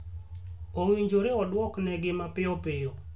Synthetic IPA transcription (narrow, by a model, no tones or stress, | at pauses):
oŋwiɲd͡ʒoɾeɔdwɔknɛɡɪmapɪɔpɪjɔ